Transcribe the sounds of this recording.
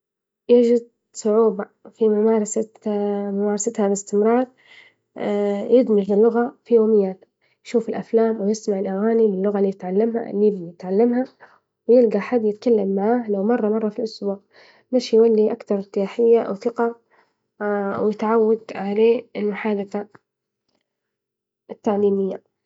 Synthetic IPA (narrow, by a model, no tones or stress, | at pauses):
jɪd͡ʒɪd̪̚ | sˤʊʕuːba | fimʊmaːɾˤɑsamʊmaːɾˤɑsat̪halɪst̪ɪmɾˤɑːɾˤ | jɪd̪mɪɾlɪlːʊɣafijoːmɪjːaːt̪ | jʃuːfɪlʔaflaːmwɪjɪsmaʕɪlʔaɣaːnilɪlːʊɣalːiːjɪt̪ʕalːamha̰lːibjɪt̪ʕalːamha | wɪjɪlɡaħad̪ːjɪt̪kalːamːaʕaːhlawmɑrˤːɑmɑrˤːɑfilʔʊsbuːʕ | maʃjwalːiʔakt̪ɑɾˤɾt̪ɪjaːħɪjːaʔwθɪqa | wjɪt̪ʕawːad̪ʕaleːɪlmʊħaːd̪aθa | ɪt̪ːaʕliːmɪjːa